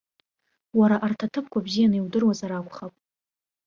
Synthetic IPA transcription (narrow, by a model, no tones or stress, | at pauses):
waɾaʔartʰatʰɨpʰkʷʰabzijanɨiwdɨrwazaɾakʷʰʼχapʼ